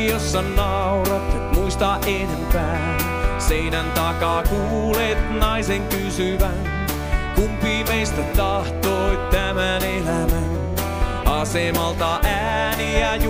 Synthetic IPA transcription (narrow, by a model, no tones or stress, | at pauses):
josːɑnnɑ | uɾɑt̪et̪muist̪ɑːʔenempæː | n | seinænt̪ɑkɑːkuːlet̪nɑiseŋkysyʋænn | kumpiːmeist̪æt̪ɑht̪oit̪æmænelæmæn | ɑsemɑlt̪ɑʔæ | niæj